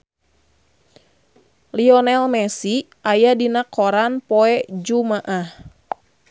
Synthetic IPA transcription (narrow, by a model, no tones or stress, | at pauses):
liɔnɛlmɛsi | ʔajadinakʰɔɾanpɔɛd͡ʒumaʔah